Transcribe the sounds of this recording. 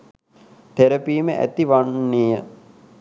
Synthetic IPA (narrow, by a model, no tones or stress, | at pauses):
t̪eɾɐpiːməʔæ̰t̪iʋanːijə